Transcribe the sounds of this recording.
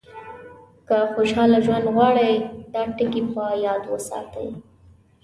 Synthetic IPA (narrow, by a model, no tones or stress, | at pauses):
kaxoʃɑlaʒwand̪ɣwɑɽəjd̪ɑʈɪkipajɑd̪wə̰sɑ̰t̪ə̰j